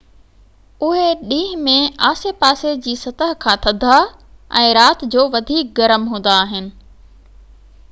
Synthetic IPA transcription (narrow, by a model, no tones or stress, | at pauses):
ʊɦeɗĩːɦɪmẽaːsepaːsed͡ʑiːsɐt̪əɦkʰãːt̪ʰɐd̪ʱa | ɛ̃ːɾaːt̪d͡ʑoːʋɐd̪ʱiːk̚ɡɐɾəmɦũːn̆d̪aːɦɪnɪ̆